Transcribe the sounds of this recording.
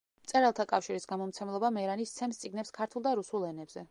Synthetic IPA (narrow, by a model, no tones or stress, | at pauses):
t̪sʼɛɾalˠt̪ʰakʼafʃiɾisɡamɔmt̪sʰɛmlˠɔbamɛɾanist̪sʰɛmst̪sʼiɡnɛpskʰaɾt̪ʰulˠd̪aɾusulˠɛnɛbzɛ